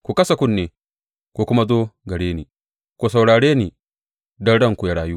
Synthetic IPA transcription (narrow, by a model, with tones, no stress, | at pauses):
kʷu˨kɐ˦sa˨kʷʊ˦˨nːeː˨ | kʷu˨kʷʊ˦ma˦zoː˦ɡɐ˨ɽeː˦niː˨ | kʷu˨sa˨wɽaː˨ɽeː˦niː˨ | dɐ˦ɽɐ˦ŋkʷu˨ja˨ɽaː˨juː˦